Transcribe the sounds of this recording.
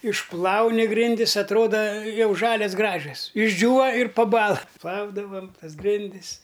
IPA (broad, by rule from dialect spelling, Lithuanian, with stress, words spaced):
ɪʃˈplˠɐʊnʲɪ ˈɡrʲɪnʲdʲɪs ɐtˈroːdɐ ˈjɛʊ ˈʒɑːlʲɛs ˈɡrɑːʒʲɛs ɪʒʲˈd͡ʒʲuːʋɐ ɪr pɐˈbɑːlˠɐ ˈplˠɐʊdɐʋɐm ˈtɐs ˈɡrʲɪnʲdʲɪs